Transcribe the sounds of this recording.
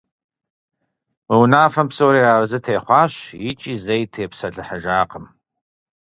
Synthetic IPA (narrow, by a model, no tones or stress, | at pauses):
wiwnaːfɐmpsowɾiːaːrzɨtʰeːχʷɑːɕjɪt͡ʃʼiːzejtʰeːpsɐɮɨħəʒaːqəm